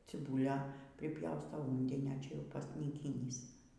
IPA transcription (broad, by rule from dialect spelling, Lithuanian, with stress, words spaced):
t͡sʲɪˈbuːlʲɛ pʲrʲɪˈpʲjɛʊstɐʊ ˈuːnʲdʲɪnʲoː ˈt͡ʃʲɛ ˈjɛʊ pɐsʲnʲiːˈkʲiːnʲiːs